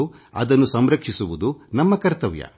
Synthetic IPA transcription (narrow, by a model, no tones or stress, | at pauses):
u | ɐ̰d̪ɐnːusɐmɾɐkʂisuʋud̪unɐmːɐkɐɾt̪ɐʋjɐ̰